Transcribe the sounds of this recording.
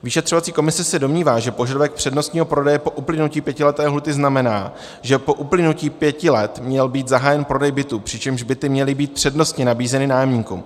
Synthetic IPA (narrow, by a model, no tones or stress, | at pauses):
viʃɛt̪r̝̥ovat͡siːko̞mɪsɛsɛdo̞mɲiːvaːʒɛpo̞ʒadovɛk̚pr̝̥ɛdno̞st̪ɲiːɦopɾo̞dɛjɛpo̞ʔuplɪnuciːpjɛcɪlɛt̪ɛːɦlut̪ɪznamɛnaː | ʒɛpo̞ʔuplɪnuciːpjɛcɪlɛt̪mɲɛlbiːt̪zaɦaːjɛnpɾo̞dɛjbɪt̪upr̝̥ɪt͡ʃɛmʒbɪt̪ɪmɲɛlɪbiːt̪̚pr̝̥ɛdno̞st̪ɲɛnabiːzɛnɪnaːjɛmɲiːkṵm